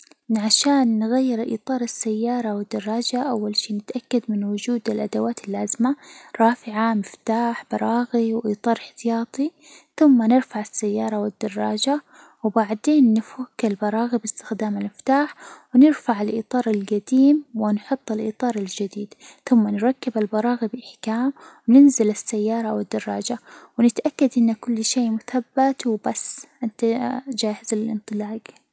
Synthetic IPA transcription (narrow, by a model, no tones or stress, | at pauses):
ʕaʃaːnːɣajːɪɾʔḭːt̪ˤɑːɾˤɪsːajːɑːɾˤɑwɪd̪ːɑrˤːɑːd͡ʒaʔawːalʃiːnɪt̪ʔakːad̪mɪnwʊd͡ʒuːd̪ɪlʔad̪awaːt̪ɪlːaːzmaɾˤɑːfɪʕamɪft̪aːħbɑɾˤɑːɣiwʔiːt̪ˤɑːɾˤɪħt̪ɪjɑːt̪ˤi | θʊmːanɪɾfaʕasːajːɑːɾˤɑwɪd̪ːɑrˤːɑːd͡ʒa | wbaʕd̪eːnːɪfakːalbɑɾˤɑːɣibɪst̪ɪxd̪aːmalmɪft̪aːħwnɪɾfaʕalʔḭːt̪ˤɑːɾˤalɡad̪iːmwɪnħʊt̪ˤːɪlʔḭːt̪ˤɑːɾˤald͡ʒad̪iːd̪θʊmːanɾˤɑkːɪbalbɑɾˤɑːɣibɪʔɪħkaːmwnɪnzɪlɪsːajːɑːɾˤɑwɪd̪ːɑrˤːɑːd͡ʒawnɪt̪ʔakːad̪ʔɪnːakʊlːʃeːmʊθabːat̪wɪbasːʔɪnt̪ad͡ʒaːhɪzaɪlʔɪ̰nt̪ˤɨlɑːɡ